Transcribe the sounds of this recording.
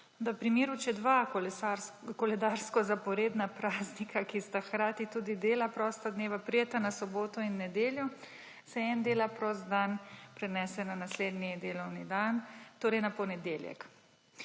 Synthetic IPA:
d̪əpɾimeːɾut͡ʃɛd̪ʋaakɔlɛd̪aɾskɔzapɔɾeːd̪napɾaːznikʰakist̪axkɾaːt̪it̪uːd̪id̪eːlapɾɔst̪ad̪neːʋapɾijet̪anasɔboːt̪ɔinːɛd̪eːljɔ | sɛɛnd̪eːlapɾɔst̪d̪anpɾɛnɛsɛnanasleːd̪nid̪eːlɔwnid̪ant̪oːɾɛjnapɔnɛd̪eːljɛ̰k

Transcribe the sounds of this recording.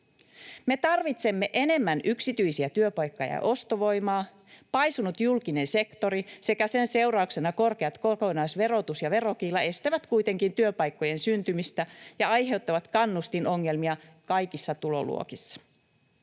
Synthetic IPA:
me̞t̪ɑrʋit̪se̞mːe̞ʔe̞ne̞mːænʔyksit̪yjsiæt̪yøpɑjkːɑjɑ̰ʔo̞st̪oʋo̞jmɑː | pɑjsunut̪julkine̞nse̞kt̪o̞ɾise̞kæse̞nse̞wɾɑukse̞nɑko̞rke̞ɑt̪koko̞nɑːsʋe̞ɾo̞t̪usjɑʋe̞ro̞kiːlːɑe̞st̪æʋæt̪kujt̪e̞ŋkint̪yøpɑjkːo̞je̞nsynt̪ymist̪æjɑɑjɦe̞wt̪ːɑʋɑt̪kɑnːust̪ino̞ŋːe̞lmiɑkɑjkisːɑt̪ulo̞̰lṵokisːɑ̥

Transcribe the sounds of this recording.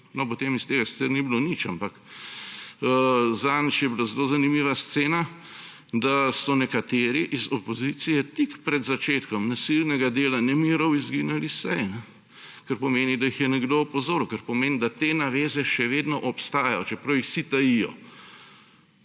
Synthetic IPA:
nɔpot̪emist̪eːɡasi̥t̪t͡s̪ɛɾnibilonit͡ʃampɐk | zant͡ʃjɛbilazɛlozanimiːʋast̪seːna | d̪asɔnɛkat̪eːɾiʔizɔpozit̪sijɛt̪ikpɾɛd̪zat͡ʃeːt̪kɔmnasilnɛɡad̪eːlanɛmiːɾɔwizɡiːnalisɛjnɛ | kɐɾpɔmeːnid̪ɐjixjɛnɛɡd̪oɔpɔzoːɾuwkəɾpɔmeːnd̪at̪eːnaʋeːzɛʃɛʋeːd̪nɔʔɔpst̪aːjajɔt͡ʃɛpɾɐwjixsit̪ɐjijɔ̰

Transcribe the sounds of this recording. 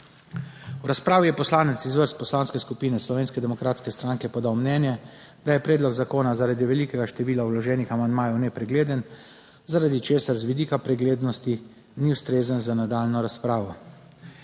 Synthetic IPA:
wɾaspɾaːʋijɛpɔslaːnɛt̪sizʋəɾst̪̚pɔslaːnskɛskupiːnɛslɔʋeːnskɛd̪ɛmɔkɾaːt̪skɛst̪ɾaːŋkɛpɔd̪awmnɛːnjɛ | d̪ajɛpɾɛːd̪lɔɡzakoːnazaɾad̪iʋɛliːkɛɡaʃt̪ɛʋiːlawlɔʒɛːnixamand̪maːjɛwnɛpɾɛɡleːd̪ən | zaɾad̪it͡ʃeːsaɾzʋid̪iːkapɾɛɡleːd̪nɔst̪i | niwst̪ɾeːzənzanad̪aːlnɔɾaspɾaːʋɔ

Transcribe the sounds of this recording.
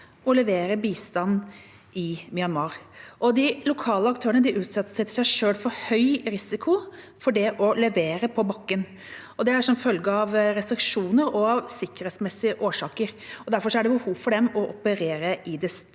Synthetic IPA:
ɔlɛʋeːɾəbiːst̪ɑnː | ɪmɪɑnʋɑːɾʔɔd̪ɪlʊkʰɑːləɑkt̪ʰøːɾənəd̪ɪʔʉːt̪sɑt̪ːəsɛt̪ːəʂæɪʂøːlfɔɾhœʏɾɪsɪkʰʊ | fɔɖɛʔɔlɛʋeːɾəpʰɔbɑkːən | ɔd̪ɛæɾʂɔmfœlɡəɑʋɾɛst̪ɾɪkʂuːnəɾɔɑʋsɪkːəɾhɛːt̪smɛsːɪəʔoːʂɑːkəɾɔd̪æɾfɔʂɔæɖɛbəhuːʋfɔɖɛmɔʔɔpəɾeːɾəʔɪd̪ɛs

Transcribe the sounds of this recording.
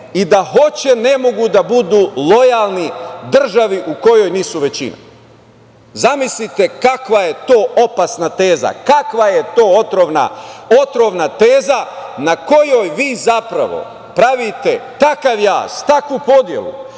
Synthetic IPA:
id̪aɦo̞t͡ɕe̞ne̞mo̞ɡud̪abud̪uːlˠo̞jalˠnid̪r̩ʒaʋiʔuko̞jo̞jniːsuʋe̞t͡ɕḭna̰ | zamislit̪e̞kakʋaje̞t̪o̞ːʔo̞pasnat̪e̞ːza̰kakʋaje̞t̪o̞ːot̪ɾoʋna̰o̞t̪ɾo̞ʋnat̪eːzanako̞jo̞jʋiːzapɾa̰ʋo̞̰ | pɾaʋit̪e̞t̪akaʋja̰ːst̪akʋupo̞d̪je̞̰lṵ

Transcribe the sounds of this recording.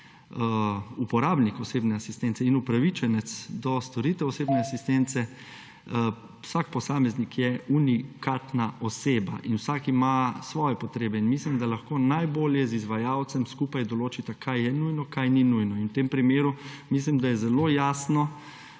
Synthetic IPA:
upɔɾabnikɔseːbnɛasist̪ɛnt̪sɛinupɾaʋit͡ʃɛnɛt̪sd̪ɔst̪ɔɾit̪ɛɔseːbnɛasist̪ɛnt̪sɛ | wsak̚pɔsaːmɛznikʰjɛunikat̪naʔɔseːba̰ʔinwsaːkimasʋɔːjɛpɔt̪ɾeːbɛinmislimd̪alaxkoːnajboːljɛzizʋajawt̪sɛmskupajd̪ɔloːt͡ʃit̪akʰajjɛnujnɔkajninujnɔinwt̪empɾimeːɾumis̬limd̪ajɛzɛloːjaːsnɔ

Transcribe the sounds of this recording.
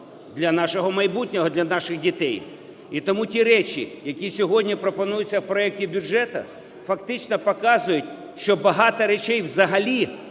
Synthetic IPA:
d̪lʲɐnɑʃɔɦɔmɐjbutʲnʲɔɦɔd̪lʲɐnɑʃɪɣdʲit̪ɛj | it̪ɔmutʲiɾɛt͡ʃʲḭjɐkʲisʲɔɦɔdʲnʲipɾɔpɔnujʊt͡sʲːɐwpɾɔɛk̚tʲibʲʊʐɛt̪ɐ̰ | fɐkt̪ɪt͡ʃnɔpɔkɑzʊjʊtʲ | ʃt͡ʃɔbɐɦɑt̪ɐɾet͡ʃɛjwzɐɦɐlʲi

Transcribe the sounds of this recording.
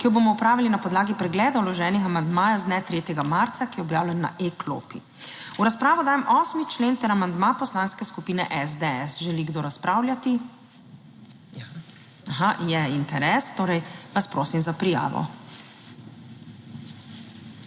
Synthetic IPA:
kijɔboːmɔupɾaːʋilinapɔd̪laːɡipɾɛɡlɛːd̪awlɔʒɛːnixamand̪maːjazd̪nɛt̪ɾeːt̪jɛɡamaɾt̪sakijɛɔbjaːwlɛnːa̰ʔeklo̰ːpi | uɾaspɾaːʋɔd̪aːjɛmʔɔːsmit͡ʃleːnt̪ɛɾamand̪mapɔslaːnskɛskupiːnɛ̰ʔɛzd̪eɛsʒɛliɡd̪oːɾaspɾaːwlʲjat̪i | axajɛint̪ɛɾɛst̪oːɾɛjʋaspɾoːsimzapɾija̰ːʋɔ̰

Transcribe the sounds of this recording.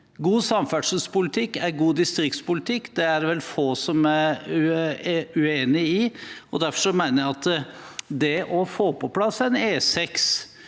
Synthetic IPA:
ɡuːsɑmfæɖʂəlspʊlɪt̪ʰɪkːæɾɡuːd̪ɪst̪ɾɪkt̪spʊlɪt̪ʰɪkːd̪ɛæɾʋɛlfoːsɔmæɾʉ | ʉeːnɪɪɔd̪æɾfɔʂɔmeɪnəjæɑt̪ | d̪ɛʔɔfoːpʰɔpʰlɑsːæɛneːsɛks

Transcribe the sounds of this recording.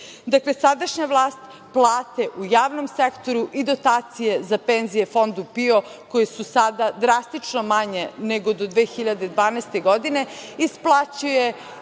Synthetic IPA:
d̪akle̞sad̪aʃɲaʋlˠaːst̪ | plˠaːt̪eʔujaːʋno̞msekt̪o̞ɾuʔid̪o̞t̪aːt̪sije̞zapenzijefo̞nd̪upio̞ko̞jesusad̪ad̪ɾast̪it͡ʂnomaɲeneɡo̞d̪o̞d̪ʋeːxiʎad̪e̞d̪ʋaːnɛːst̪e̞ɡo̞d̪ine̞isplˠat͡ɕuje

